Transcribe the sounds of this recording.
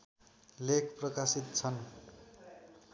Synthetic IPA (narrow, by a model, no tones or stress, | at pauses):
lekʰprʌkasit̪̚t͡sʰʌn